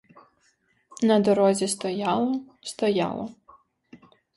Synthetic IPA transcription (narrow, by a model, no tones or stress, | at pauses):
nɐd̪ɔɾɔzʲist̪ɔjalˠɔ | st̪ɔja̰lˠɔ̰